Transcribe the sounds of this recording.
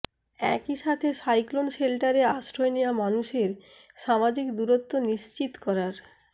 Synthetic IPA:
ɛ̰kiʃat̪ʰeʃajklonʃelʈaɾeaʃɾoeneamanuʃeɾ | ʃamad͡ʑikd̪uɾot̪ːoniʃt͡ɕit̪kɔɾaɾ

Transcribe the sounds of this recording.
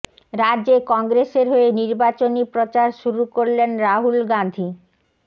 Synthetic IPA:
ɾadd͡ʑekɔŋɡɾeseɾɦoeniɾbat͡ɕonipɾot͡ɕaɾʃuɾukoɾlenɾaɦulɡand̪ʱi

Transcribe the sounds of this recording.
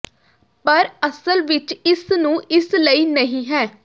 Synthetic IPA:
pəɾəsəlʋɪt͡ʃɪsnũːʔɪsləiːnəɦĩːɦɛː

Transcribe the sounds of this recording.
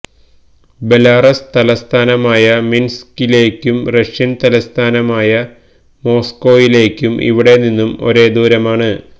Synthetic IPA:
be̞laːrɐst̪ɐlɐst̪ʰaːnɐmaːjɐminskile̞ːkʲːumrɐʂjɐnt̪ɐlɐst̪ʰaːnɐmaːjɐ | mo̞ːsko̞ːjile̞ːkʲːumʔḭʋiɽe̞ninːumo̞̰ɾe̞ːd̪uːɾɐmaːɳɨ

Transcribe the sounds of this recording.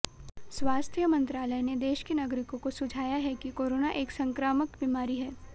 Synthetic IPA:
swaːst̪ʰijəmɐ̃nt̪ɾaːləjned̪eːʃkenaɡɾɪkõkosʊd͡ʒʱaːjaɦɛkikoːɾoːnaʔeːksɐ̃ŋkɾaːməkbimaːɾiɦɛː

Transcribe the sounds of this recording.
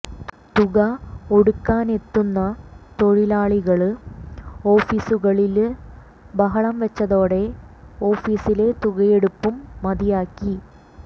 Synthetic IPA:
t̪uɣɐo̞ɽukːaːne̞t̪ːunːɐt̪o̞ɻilaːɭiɣɐɭɨ | o̞ːfiːsuɣɐɭil | bɐɦɐɭɐmʋɐt͡ɕːɐðo̞ːɽe̞o̞ːfiːsile̞t̪uɣɐjeɽupːumːɐðijaːkːi

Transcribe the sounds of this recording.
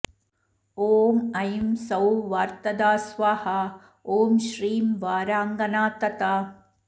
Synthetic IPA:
oːmɐjmsɐwʋaːɾt̪ɐd̪aːsʋaːhɐ | oːmʃɾiːmʋaːɾaːŋɡɐnaːt̪ɐt̪aː

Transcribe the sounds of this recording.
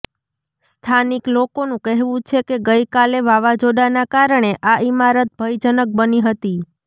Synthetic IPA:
st̪ʰaniklokonũkəɦʋũt͡ʃʰekeɡəjkaleʋaʋad͡ʒoɖanakaɾəɳ̃eʔaʔimaɾət̪̚bʱəjd͡ʒənək̚bəniɦət̪i

